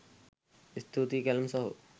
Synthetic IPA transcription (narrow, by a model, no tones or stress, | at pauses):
ist̪ʰut̪ikɐlmsɔɦṵ